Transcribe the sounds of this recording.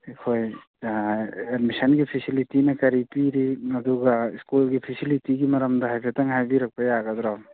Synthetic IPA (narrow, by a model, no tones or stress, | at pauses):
ikʰoj | edmisɐnɡipʰisilitinɐkɐɾipiɾiɐd̪uɡaiskulɡipʰisilitiɡimɐɾɐmdaɦajpʰetaŋɦajbiɾɐk̚pajaɡad̪ɾaw